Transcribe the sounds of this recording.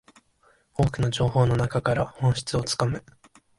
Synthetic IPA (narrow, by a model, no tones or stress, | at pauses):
o̞ːkɯ̟no̞d͡ʑo̞ːho̞ːno̞nakakaɾahõ̞ɰ̃ɕi̥t͡sɨo̞t͡sɨ̥kamɯ